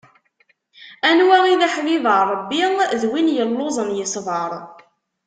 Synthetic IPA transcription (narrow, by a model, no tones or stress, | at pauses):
ænwæiðaħviðərˤəbːiʁðwinjəlːozˤənjəsˤvəɾˤ